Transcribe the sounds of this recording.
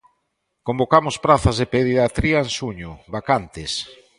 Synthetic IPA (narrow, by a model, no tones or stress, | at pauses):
kombokamʊspɾaθazðepeðiðat̪ɾiaensuɲʊβakant̪ɪs